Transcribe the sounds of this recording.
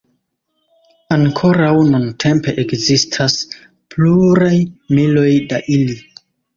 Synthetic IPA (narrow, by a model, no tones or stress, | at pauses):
aŋkʰo̞ɾawnuntʰe̞mpe̞ʔekzistʰas | pluɾajmilo̞jdaʔili